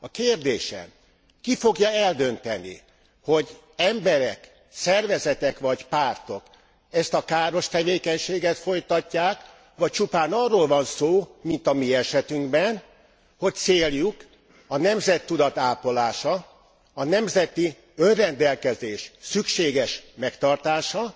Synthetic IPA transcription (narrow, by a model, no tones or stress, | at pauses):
ɒkeːrd̪eːʃɛ̰m | kifo̞ɡjɒɛld̪ø̞nt̪ɛnḭ | ho̞ɟ | ɛmbɛɾɛ̰k | sɛrvɛzɛt̪ɛkʋɒcpaːrt̪o̞k | ɛst̪ɒkaːɾo̞ʃt̪ɛveːkɛɲʃeːɡɛt̪fo̞jt̪ɒcːaːk | ʋɒc̚t͡ʃupaːnɒrːoːlvɒnsoːmint̪ɒmiɛʃɛt̪yŋɡbɛn | ho̞c̚t̪seːljuk | ɒnɛmzɛt̪ːud̪ɒt̪aːpo̞laːʃɒː | nɛmzɛt̪i | ønrɛnd̪ɛlkɛzeːʃsykʃeːɡɛʃmɛkt̪ɒrt̪aːʃɒ